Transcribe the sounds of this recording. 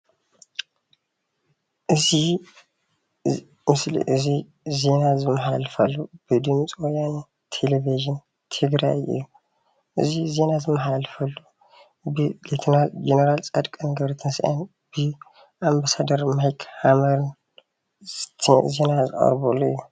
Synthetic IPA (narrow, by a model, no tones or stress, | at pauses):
ʔɨzi | mɨslḭʔɨzi | ze̞nazɨmːɐħalɨfɐlːub̥ɨd̪ɨmt͡sʼiwɔjan | t̪ʰeleviʒin | t̪ʰɨɡɾajʔḭjːu | ʔɨ̰zize̞nazɨmːɐħalfɐlːu | bɨlet̪ʰɐɾald͡ʒeneɾalt͡sʼad̪kʼɐnɡɐβɾɐt̪ʰɨnsʔa̰n | b̥ɨ | ʔambasad̪ɐɾmajkʰhamɐɾn | ze̞nazɨ̰χʼɐ̰ɾbɐlːuḭjːu